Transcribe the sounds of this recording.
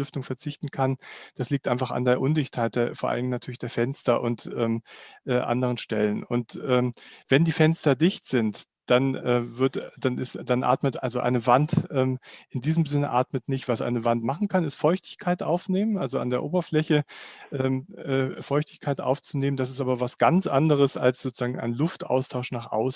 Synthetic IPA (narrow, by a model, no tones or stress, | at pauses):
ʏftʊŋfɛɐt͡sɪçtn̩kʰand̥asliːk̚tʔaɪnfaχa̰ndeːɐʔʊndɪçthaɪt̚d̥eɐfoːɐʔa̰lɪŋnatʰyːɐlɪçd̥eːɐfɛnstɐʔʊntʔɛːmʔɛːʔa̰ndəʁ̞ənʃtɛlənʊ̰ntʔɛːmv̥ɛndiːfɛnstɐdɪçtz̥ɪnt | d̥anɛːvɪɐtd̥anɪsd̥anʔa̰ːtmətʔa̰lzoʔa̰ɪnəvantʔɛːmʔɪndiːzəmzɪnəʔa̰ːtmətnɪçtv̥asʔa̰ɪnəvantmaχn̩kʰanɪstfɔʏçtɪ̥çkʰaɪtʔaʊfneːmənʔalzoa̰ndeːɐʔo̰ːbɐflɛçəʔɛːmʔɛːfɔʏçtɪçkʰaɪtʔa̰ʊft͡suneːməndas̬ɪstʔaːbɐvasɡ̥ant͡sʔandəʁ̞əsa̰lsz̥oːt͡suz̥aːɡŋ̩ʔa̰ɪnlʊftʔa̰ʊstʰaʊʃnaːχʔa̰ʊs̩